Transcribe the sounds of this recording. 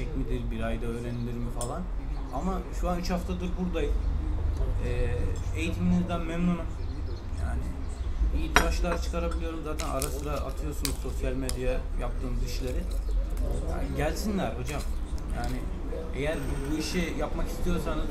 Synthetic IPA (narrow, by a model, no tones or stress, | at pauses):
ɛcmid̪iɾbiɾajd̪aø̞ːɾenilʲiɾmifalˠan | amaʃuanyt͡ʃhaft̪ʰad̪ɯɾbuɾd̪ajɯz | ɛːe̞jit̪ʰiminizd̪ænmɛmnunum | jaːnɪ | it̪ʰiɾaʃlˠaɾt͡ʃʰɯ̥kʰaɾabilʲijɾumzaːt̪ʰæna̰ɾasɯɾaʔat̪ʰɯjo̞ɾsunuzso̞sjalʲmed̪jaajap̚t̪ʰɯːmziʃlʲe̞ɾɪ | ja̰ɟælʲsinlʲæɾho̞d͡ʒamja̰ːnɪ | e̞̰jæɾbuiʃijapmaki̥st̪ʰijo̞ɾsanz